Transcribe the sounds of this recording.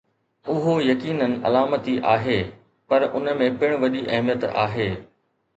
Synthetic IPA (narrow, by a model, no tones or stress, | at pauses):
ʊɦojɐkiːnənɪ̆ʔɐ̰laːmət̪iʔaːɦeː | pɐɾʔʊnəmẽpɪɽ̃ʋɐɗiʔɐɦmijət̪a̰ːɦeː